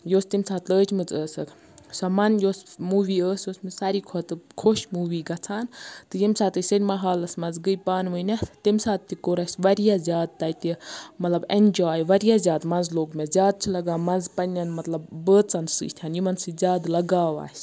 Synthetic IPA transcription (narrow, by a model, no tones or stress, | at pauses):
joːst̪imsaːt̪ləːt͡ʃʰmɨt͡səːsɐk | sɐmɐnjoːsmuːʋiːəːsjosmɨsɐɾiːkʰot̪ɨkʰoʃmuːʋiːɡɐt͡sʰaːnt̪ɨjimsaːt̪ɨsɐɾʲmɐɦaːlɐsmɐnzɡɨjpaːnʋɨnʲɐt̪imsaːt̪̚t̪ikoːɾɐsʲʋɐɾijaːzʲjaːd̪̚t̪ɐjt̪ʲimɐt̪lɐbend͡ʒaːjʋɐɾijaːzʲjaːd̪mɐnzloːɡmʲezʲjaːd̪̚t͡ʃʰilɐɡaːmɐnzpɐnʲːɐnmɐt̪lɐbːəːt͡sɐnsɨ̰ːt̪ʰʲaːnjimɐnsɨzʲaːd̪lɐɡaːʋa̰ːsʲ